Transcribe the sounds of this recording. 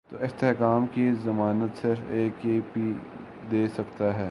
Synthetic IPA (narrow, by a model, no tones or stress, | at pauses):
t̪oːʔɪst̪eɦkaːmkizɐmaːnət̪sɪɾfeːkeːpi | d̪eːsɐkt̪aɦɛː